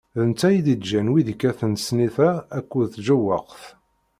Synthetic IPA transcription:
ðənt͡sːæjid̪id̪d͡ʒænwiðəkːæθənsniθæːkʷːuðθʒəwə̰ʁθ

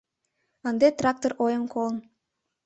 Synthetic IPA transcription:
ənd̪et̪rɑk̚t̪orʔojəmkolən

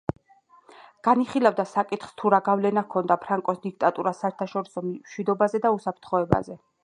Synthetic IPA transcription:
ɡ̥aniχilavd̪asakʼit̪χst̪ʰuɾaɡavlɛnakʰɔnd̪apʰɾaŋkʼɔsd̪ik̚t̪ʼat̪ʼuɾasaɛɾt̪ʰaʃɔɾisɔmmʃwid̪ɔbazɛd̪ausapʰɾt̪ʰχɔɛba̰zɛ

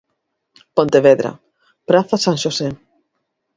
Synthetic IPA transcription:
pont̪eβeðɾa̰ | pɾaθasãŋʃose

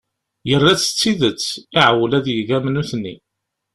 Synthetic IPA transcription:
jərˤːæt͡sːə̥t͡sːiðət͡sːiʕwəlæðjəɡæmnuθnːḭ

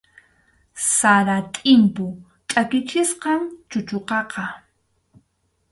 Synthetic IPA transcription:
saɾat̪ʼɪmpʊ | tʼakɪt͡ʃɪsqɑŋt͡ʃʊt͡ʃoqɑqɑ

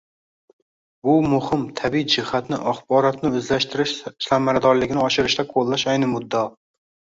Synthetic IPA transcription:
bʊmʊhɪmt̪ʰabijd͡ʒɪhat̪nɪʔaχbɒɾɒt̪nɪɵzlaʃt̪ʰɪɾɪʃsamːaɾad̪ɒɾlɪɡʲɪnɪɒʃɪɾɪʃt̪aqʰolˠːaʃajnɪmʊd̪ːɒ

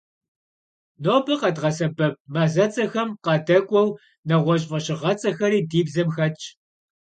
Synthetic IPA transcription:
noːbɨqɐdʁɐsɐbɐp̚mɐzɐt͡sʼɐxɐmqɑdɐkʷʼɔw | nɐʁʷɔɕ̬ʼvɐɕɪʁɐt͡sʼɐxɐɾiːdiːbzɐmxɐt͡ʃʼʰ

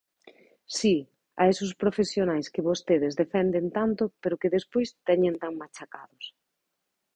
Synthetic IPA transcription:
si | a̰esʊspɾofesjonajskɪβost̪eðezðefɛnd̪ent̪ant̪ʊpeɾʊkɪðespojst̪ɛɲẽnt̪aŋmat͡ʃakaðʊs

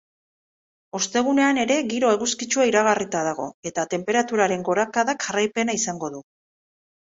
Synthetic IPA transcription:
o̞st̪e̞ɣune̞ane̞ɾe̞ɣiɾo̞e̞ɣuskit͡ʃuaiɾaɣarit̪aðaɣo̞̰e̞t̪at̪e̞mpe̞ɾat̪uɾaɾe̞ŋɡo̞ɾakaðakxarajpe̞naisaŋɡo̞ðu

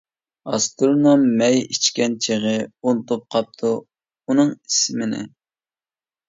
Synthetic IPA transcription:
ɑst̪uɾnomːɛjit͡ʃkʲɛnt͡ʃʰeʁəunt̪ʰop̚qʰɑp̚t̪ʰu | unɨŋismɪnɪ̰

